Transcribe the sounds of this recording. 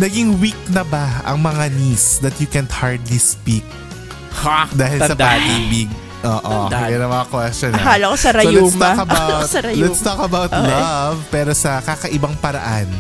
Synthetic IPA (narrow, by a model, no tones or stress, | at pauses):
nɐɡɪŋwik̚nɐbɐɐ̰ŋmɐŋanisd̪ɐt̪jʊkɛnhaɹd̪lispik̚ | d̪aːhɪlssɐdpaːd̪iːbɪɡ̚ | ʔoːʔojɐnɐmɐŋɐkwɛstɔnɐaːlɐkosɐɾɐolɛt̪st̪okɐbat̪sɐɾɐlɛt̪st̪okɐbawt̪llɐvpɛːɾosɐkakɐʔɪbɐŋpɐɾɐ̰ʔan